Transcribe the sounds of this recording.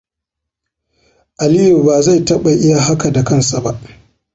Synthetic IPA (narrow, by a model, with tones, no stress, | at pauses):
ʔa˨lɪ˦ju˨baː˨za˦˨jtɐ˦ɓa˨ʔɪ˦ja˨ɦa˦ka˨da˨kɐ˦nsa˨ba˦ʔ